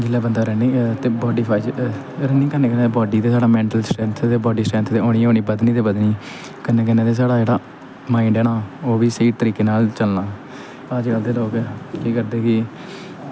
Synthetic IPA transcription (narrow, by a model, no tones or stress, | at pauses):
d͡ʒɪlːaːbənd̪aːɾɛːniːt̪eːbɔːɖiːpʰaːiːt͡ʃ | ɾɛːniːkəneːkəneːt̪ebɔːɖiːt̪eːsaːɽaːmɛ̃ːɳʈəlsʈɾɛ̃ːnt̪ʰt̪eːbɔːɖiːsʈɾɛ̃ːnt̪ʰt̪eːoːniːõːniːbəd̪nĩːt̪eːbəd̪niː | kənːeːkɛnẽːt̪eːs̬aːɽaːd͡ʒeːɽaː | maːɪɳɖɛːɽ̃aːoːʋiːseiːʈt̪əɾiːkeːnaːlt͡ʃəlnãː | pːəd͡ʒɡəld̪eːloːkkiːkəɾd̪eːkɪ